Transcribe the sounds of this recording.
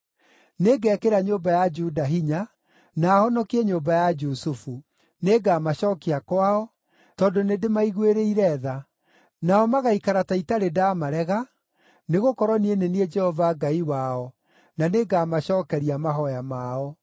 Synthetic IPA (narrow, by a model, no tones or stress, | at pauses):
neɡɛkeɾaɲombajad͡ʒudaɦiɲa | naːhɔnɔkiɛɲombajad͡ʒusufu | neɡaːmaɕɔːkiakwaɔ | tɔːndonedemaiɣweɾeiɾɛða | naɔmaɣaikaɾataitaɾedaːmaɾɛɣa | neɣokɔɾɔnienenied͡ʒɛhɔvaɡaiwaɔ | naneɡaːmaɕɔːkɛɾiamaɦɔjamaɔ